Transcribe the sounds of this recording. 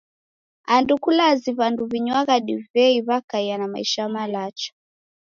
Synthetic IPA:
andukulaziβanduβiɲwaɣaɗivɛiβakaijanama̰ḭʃamalat͡ʃɔ̥

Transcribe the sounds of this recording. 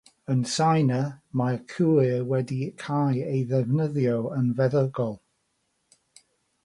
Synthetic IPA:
ənsajnəmakʰuːwɛdikʰajejðɛvnəðjowənvɛðəɡɔlˠ

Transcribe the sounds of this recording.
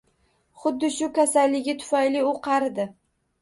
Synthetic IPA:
χʊd̪ːɪʃʊkʲʰasalːɪɡʲɪt̪ʰʊ̥fajlɪʊqʰɑɾd̪ɪ

